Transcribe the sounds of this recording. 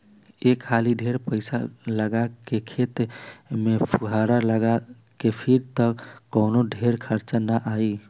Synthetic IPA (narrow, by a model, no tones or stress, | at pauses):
ekʰːaliɖʱeɾpəɪsa̰ləɡakekʰet̪mepʰuɦaɾaləɡa | kepʰiɾt̪əkːɔnoɖʱeɾkʰəɾt͡ʃanaʔai